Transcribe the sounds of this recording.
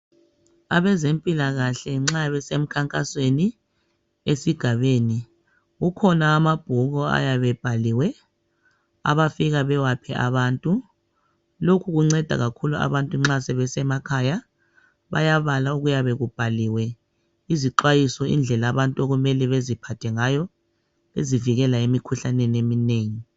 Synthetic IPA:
aβɛzempʼilaɣaɬɛŋ͡ǁaβɛsem̩kʰaŋkʼasweni | esiɡ̥ʱaβeːni | ɣukʰɔnaːmab̥ʱuɣɔa̰jaβɛb̥ʱaliːwɛ | a̰βafiɣaβɛwapʰɛʔa̰βaːntʼu | lokʰuɣuŋ͡ǀɛd̥ʱa̰ɣakʰulua̰βantʼuŋ͡ǁasɛβɛsɛmakʰaja | βa̰jaβalauɣujaβɛɣub̥ʱaliwɛ | iziǃwajisɔʔḭnd͡ɮʱɛlaβantʼuoɣumɛlɛβezipʰatʰɛŋajɔ | ḛziviɣɛlaemikʰuɬanɛnemineːŋi

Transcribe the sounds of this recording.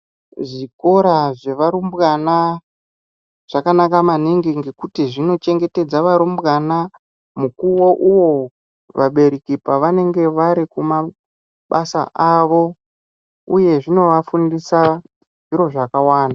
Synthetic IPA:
ʐiko̞ɾaʐe̞ʋaɾumbɣana | ʐ̥akanakamaneŋɡeŋɡe̞kutiʐino̞t͡ʃe̞ŋɡe̞te̞d͡zaʋaɾumbɣana | mukuwo̞ʔuwo̞ | ʋaɓe̞ɾikipaʋane̞ŋɡe̞ʋaɾikuma | ɓasa̰ʔaʋo̞ | uje̞ʐino̞ʋafundisa | ʐiɾo̞ʐakawaːnda

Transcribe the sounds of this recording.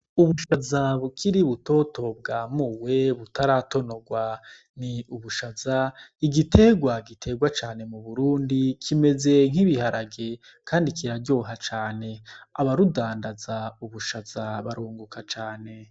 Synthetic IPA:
uβuʃazaβukʰiɾiβuto̞ːto̞b̚ɡaːmuːwe̞βutaɾato̞no̞ɡwa | niuβuʃazaiɡitʰe̞ɡwaɡitʰe̞ɡwat͡ʃaːne̞muβuɾuːndikʰime̞ze̞ŋ̥iβihaɾaɡe | kʰaːndikʰiɾaɾɟo̞ːɦat͡ʃaːne̞aβaɾudaːndazauβuʃaz̥aβaɾoːŋɡukat͡ʃaːne̞

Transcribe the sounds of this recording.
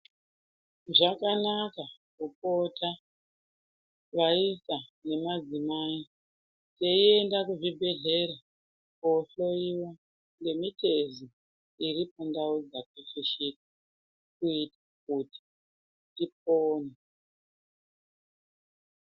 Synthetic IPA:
ʐakanaka | kupotʰa | ʋaisane̞mad͡zimaːi | te̞iendakuʐibʱe̞ɮe̞ɾa | koɬo̞iwo̞ | ŋɡe̞mite̞zi | iɾipondaud͡zakiɬiʃikḁ | kuitḁkuti̥ | nip̚oːne

